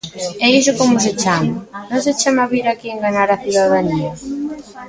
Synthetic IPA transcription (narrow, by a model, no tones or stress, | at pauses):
ejʃʊkomʊs̬et͡ʃamanõset͡ʃemaβiɾakieŋɡaɲaɾaθuðaðaniɐ